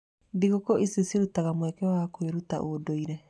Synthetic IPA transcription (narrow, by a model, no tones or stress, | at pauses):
diɣokoʔiseseɾutaɣamwɛkɛwakweɾuta̰ʔodoiɾɛ